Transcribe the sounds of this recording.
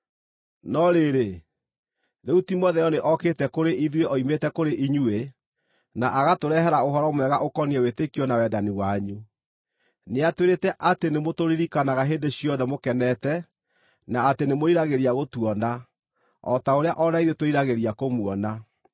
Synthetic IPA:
nɔɾeɾe | ɾeutimɔðɛjɔneʔɔketɛkoɾeʔiðweʔɔimetɛkoɾeʔiɲue | naʔaɣatoɾɛɦɛɾaoɦɔɾɔmwɛɣaʔokɔniɛwetekiɔnawɛdaniwaɲu | neatweɾetɛʔatenemotoɾiɾikanaɣaɦeːndeɕiɔðɛmokɛnɛtɛ | naːtenemoiɾaɣeɾiaɣotuɔna | ɔ̰taoɾeaʔɔɾaiðetoiɾaɣeɾiakomuɔna

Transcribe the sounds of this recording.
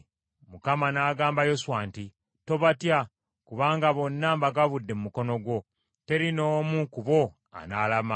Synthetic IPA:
mukamanaːɡaːmbajo̞swaːnti | to̞βatja | kuβaːŋɡaβo̞nːaːmbaɡaβudːe̞mumuko̞no̞ɡwo̞ | te̞ɾino̞ːmukuβo̞ | a̰nalama

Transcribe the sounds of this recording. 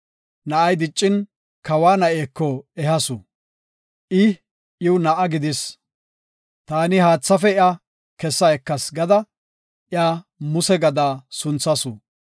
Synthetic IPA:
nɐʔɐjd̪ɪt͡ʃʼːɪn | kɐwaːnɐʔeːkːɔɛhɐsʊ | ʔɪ | ʔɪwʊnɐʔɐɡɪd̪ɪs | t̪aːnɪɦaːt͡sːɐfɛɪja | kɛsːɐɛkːɐsɡɐd̪ɐ | ʔɪjamʊsɛɡɐd̪aːsʊnt͡sːɐsʊ

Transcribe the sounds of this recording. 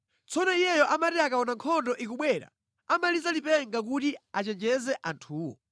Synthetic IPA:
t͡sɔnɔijɛjɔʔamatiakaɔnaŋkʰɔndɔʔikuɓwɛɾa̰ | amalizalipɛŋɡak̬utiat͡ʃɛnd͡ʒɛzɛʔantʰuːwɔ̰

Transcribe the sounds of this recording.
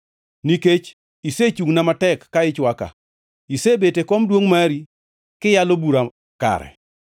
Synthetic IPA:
niket͡ʃ | iset͡ʃuŋnamatɛkːaɪt͡ʃwaka̰ | isebetekɔmdwoŋmaɾi | kɪjalobuɾa | ka̰ɾɛ̰

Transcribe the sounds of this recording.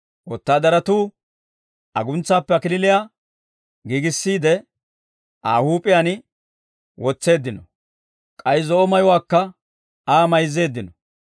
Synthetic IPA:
wɔt̪ːaːd̪ɐɾɐt̪uː | ʔɐ̰ɡʊnt͡sːaːpːɛɐkɪlɪlɪjaː | ɡiːɡɪsːiːd̪ɛ | ʔaːhuːpʼɪjanɪ | wɔt͡sːe̞ːd̪ːɪnɔ | kʼɐjzɔɔmɐjʊwaːkːɐ | aːmɐjze̞ːd̪ːɪnɔ

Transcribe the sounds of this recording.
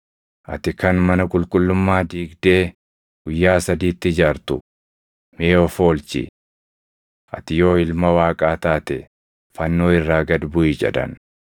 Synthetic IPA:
ʔɐ̰t̪ɪkɐnmɐnɐkʼʊlkʼʊlːʊmːaːd̪iːɡd̪e̞ː | ɡ̥ʊjːaːsɐd̪iːt̪ːɪɪd͡ʒaːɾt̪ʊ | meːɔfo̞ːlt͡ʃɪ̰ | ʔɐt̪ɪjo̞ːɪlmɐwaːkʼaːt̪aːt̪ɛ | fɐnːo̞ːɪrːaːɡɐd̪bʊɪd͡ʒɛ̰ᶑɐ̰n

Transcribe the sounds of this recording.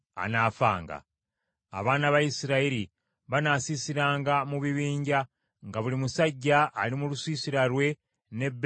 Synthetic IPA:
a̰naːfa̰ːŋɡa̰ | a̰βaːnaβajisiɾaiɾi | βanasisiɾaːŋɡamuβiβiːɲɟa | ŋɡaβulimusaɟːaʔalimulusiːsiɾaɾwe̞ | ne̞b

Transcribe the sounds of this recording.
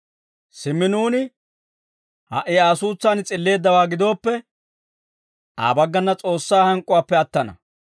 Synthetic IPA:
sɪmːɪnuːnɪ | hɐ̰ʔɪaːsuːt͡sːaːnɪt͡sʼɪlːe̞ːd̪ːɐwaːɡɪd̪o̞ːpːɛ | ʔa̰ːbɐɡːɐnːɐt͡sʼo̞ːsːaːhɐŋkʼːʊwaːpːɛɐt̪ːɐnɐ̰

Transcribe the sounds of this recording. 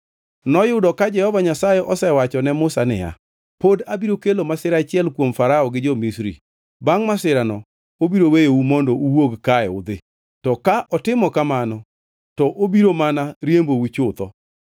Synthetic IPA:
nɔjʊdɔkad͡ʒɛhɔvaɲasajɛʔɔsɛwat͡ʃɔnɛmʊsanɪ̰ja̰ | podabiɾokelomasɪɾat͡ʃɪɛlkwomfaɾaɔɡɪd͡ʒɔmisɾḭ | baŋmasɪɾanɔ | obiɾowejoumɔndɔuwoɡkajɛʊd̪ɪ | tɔkaʔɔtɪmɔkamanɔ | tɔʔobiɾomanaɾjembowut͡ʃʊt̪ɔ

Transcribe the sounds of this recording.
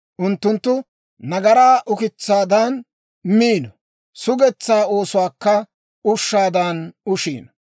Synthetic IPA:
ʔʊnt̪ːʊnt̪ːʊ | nɐɡɐɾaːʔʊkɪt͡sːaːd̪ɐn | miːnɔ | sʊɡɛt͡sːaːo̞ːsʊwaːkːɐ | ʊʃːaːd̪ɐnʊʃḭːnɔ

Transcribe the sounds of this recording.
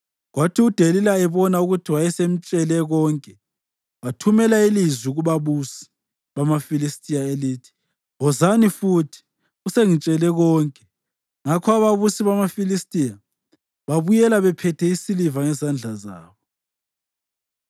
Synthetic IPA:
ɣwatʰiud̥ʱelilaɛβɔnauɣutʰiwajɛsem̩t͡ʃʼɛlɛɣɔːŋkʼɛ | βatʰumɛlailizwiuɣuβaβusi̥ | βamafilistʼijaeliːtʰi̥ | ɦɔzanifutʰi̥ | ɣuseŋit͡ʃʼɛlɛɣɔːŋkʼɛ | ŋakʰɔaβaβusiβamafilistʼija | βaβujɛlaβɛpʰɛtʰɛisilivaŋɛzand͡ɮʱaza̰ːβɔ

